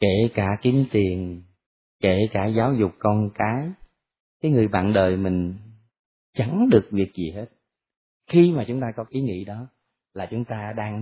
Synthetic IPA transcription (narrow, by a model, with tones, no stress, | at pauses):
ke˧˩kaː˧˩ki˨˧˦mt̪i˨˩ən | ke˧˩kaː˧˩zaː˨˦wzʊ˨˩k͡p̚kɔ˧nkaː˨˦j | kaː˨˦jŋɨ˨˩əjɓa̰ː˧˨nɗəː˨˩jmï˨˩ŋ̟ | t͡ɕə˨˦ŋɗɨ˨˩ək̚vi˨˩ək̚zi˨˩he˦˥t̚ | xi˧maː˨˩t͡ɕʊ˨˦ŋ͡mt̪aː˧kɔ˨˦ʔi˨˦ŋḭ˧˥ɗɔ˨˦ | laː˨˩t͡ɕʊ˨˦ŋ͡mt̪aː˧ɗaː˧ŋ